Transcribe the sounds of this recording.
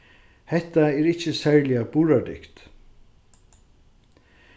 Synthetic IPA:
hɛht̪aɛːɾɪht͡ʃəsɛːɹlɪabuːɹad̪ɪ̰kt̪

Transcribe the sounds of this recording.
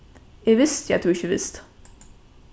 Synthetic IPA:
jæʋɪst̪jæd̪̥uɪçəʋɪst̪

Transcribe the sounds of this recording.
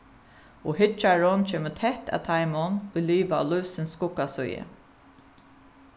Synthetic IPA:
ohɪt͡ʃaɹɔnt͡ʃʰeːmət̪ʰɛht̪a̰ːt̪ʰaɪmɔnʊjlyːʋaɔ̰lʊsɪnskʊkːasʊjə̰

